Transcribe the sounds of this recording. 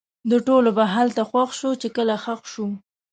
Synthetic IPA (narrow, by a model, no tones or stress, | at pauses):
d̪əʈolobaɦalt̪axwaxʃot͡ʃekəlaxaxʃu